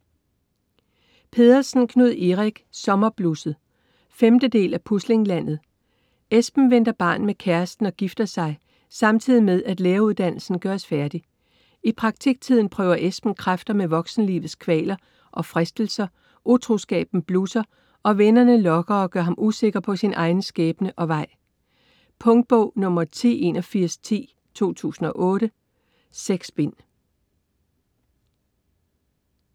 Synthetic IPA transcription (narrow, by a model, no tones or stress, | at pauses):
pʰe̝ðˠɐsn̩kʰnuð̰ˠeʁaɡ̥sɒ̽mɐb̥lusð̩ˠ | femd̥əd̥e̝̰ːlæpʰusle̝ŋlæn̰ð̞̩ˠ | esb̥n̩ʋen̰d̥ɐb̥ɑ̰̈ːnmekʰæɐsd̥n̩ɒ̽ɡ̥ifd̥ɐsɑ̈ɪ | sɑ̈mt͡sʰið̰ˠimeðˠæd̥leːɐuðˠd̥æn̰l̩sn̩ɡ̥ɶɐɒsfæɐd̥i | ipʰʁɑ̈ɡ̥t͡sʰiɡ̥̚t͡sʰið̞̰ˠn̩pʰʁœːʊɐʔesb̥n̩kʰʁafd̥ɐmeʋɒ̽ɡ̥sn̩lḭːʋð̩ˠskʰʋɛ̰ːlɐ | ʔɒ̽fʁɛsd̥l̩sɐ | ʔut͡sʰʁusɡ̥ɛ̰ːb̥n̩b̥lusɐ | ʔɒ̽ʋenɐnəlɒ̽ɡ̥ɐɒ̽ɡ̥ɶɐɦɑ̈mʔuse̝ɡ̥ɐpʰɒ̽sinʔɑ̈ɪn̩sɡ̥ɛːb̥nəʔɒ̽ʋɑ̈ɪ̰ | pʰɔ̽ŋd̥̚b̥ɔʊ̰nɔ̽mɐt͡sʰḭːe̝nɒfiɐ̰st͡sʰḭː | t͡sʰo̝̰ːt͡sʰṵːsn̩ɒ̽ʔɔ̽ːɾ̥ə | seɡ̥sb̥e̝n̰